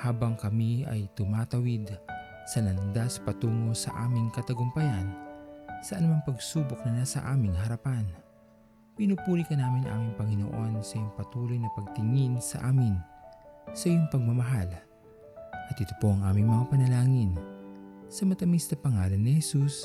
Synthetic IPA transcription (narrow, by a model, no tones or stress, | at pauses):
haːbɐŋkɐmiɐ̰jt̪ʊmaːt̪ɐwid̪ | sɐlɐnd̪aspɐt̪uːŋo̞sɐ̰ʔa̰ːmɪŋkɐt̪ɐɡʊmpɐjansɐʔɐnʊmaŋpɐɡsuːbok̚nɐnaːsɐ̰ʔaːmɪŋhɐɾɐpan | pinupuːlikɐnaːmɪnʔa̰ːmiŋpɐŋɪno̰ʔo̞nsɐʔijoŋpɐt̪uːlo̞jnɐpɐɡ̚t̪ɪŋinsɐ̰ʔaːmɪn | sɐʔijoŋpɐɡ̚mɐmɐɦal | ʔɐt̪ɪt̪opo̞ʔɐŋʔaːmɪŋmɐŋapɐnɐlaːŋɪn | sɐmɐt̪ɐmisnɐpɐŋaːlɐnːɪhɛsus